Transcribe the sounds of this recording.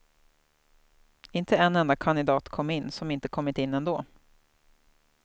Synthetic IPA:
ɪnt̪əɛnːɛnd̪akʰand̪ɪd̪ɑːt̪kʰɔmːɪnːsɔmɪnt̪əkʰɔmːɪt̪ɪnːɛnd̪oː

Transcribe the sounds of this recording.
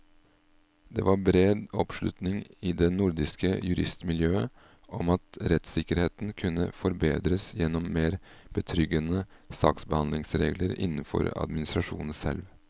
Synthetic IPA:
d̪ɛːʋɑɾbɾeːd̪ɔpʂlʉt̪nɪŋɪːd̪ɛnʊɾd̪ɪskəjʉɾɪst̪mɪljøːə | ʔɔmɑt̪ɾɛt̪sɪkəɾheːt̪n̩kʰʉnːə̰fɔɾbeːd̪ɾəsjɛnɔmːeːɾb̥ət̪ʰɾʏɡːənəsɑ̰ːksbəhɑnd̪lɪŋsɾeːɡləɾɪ̰nfɔ̰ɾɑ̰d̪mɪnɪst̪ɾɑʂṵːnn̩sɛ̰lʋ

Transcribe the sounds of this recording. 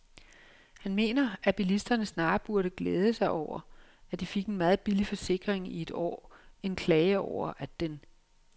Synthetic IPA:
hænme̝̰ːnɐʔæb̥ilisd̥ɐnəsnɑ̈ːb̥uɐɾəɡ̥leːð̞ˠəsɑ̈ɪʔɒʊ̰ɐ | æd̥ife̝ɡ̥enmɑ̈ːð̞̩ˠb̥ilifɒ̽se̝ɡ̥ʁeŋie̝d̥ɒ̰ːe̝nkʰlɛːɪəɒʊ̰ɐʔæd̥en

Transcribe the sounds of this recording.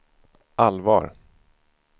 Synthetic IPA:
ʔalvɑ̰ːɾ

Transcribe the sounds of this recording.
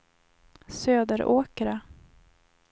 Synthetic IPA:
søːd̪əɾʔoːkəɾa

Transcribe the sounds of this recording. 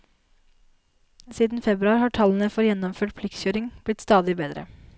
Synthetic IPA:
siːd̪n̩fɛbɾʉɑːɾhɑːʈʰɑlən̩əfɔɾjɛnɔmføːʈ̚pʰlɪk̪sçøːɾɪŋb̥lɪt̪st̪ɑːd̪ɪbeːd̪ɾə̰

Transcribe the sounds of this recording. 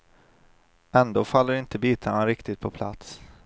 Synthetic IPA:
ɛnd̪oːfalːəɾɪnt̪əbiːt̪ʰanaɾɪkt̪ɪt̪̚pʰɔpʰla̰t̪s

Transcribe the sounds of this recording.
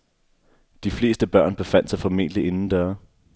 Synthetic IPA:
d̥ifle̝̰ːsd̥əb̥ɶɐ̰nb̥e̝fæn̰d̥sɑ̈ɪfɒ̽mḛːd̥əlie̝nn̩d̥ɶɐ

